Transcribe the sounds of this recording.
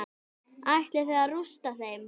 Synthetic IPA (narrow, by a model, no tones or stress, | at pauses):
ajht̪lɛθɛðarust̪aθejm